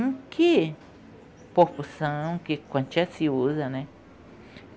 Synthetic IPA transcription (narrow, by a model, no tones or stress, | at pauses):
kʰe | popusãkekʷãnt͡ʃasiuðanẽ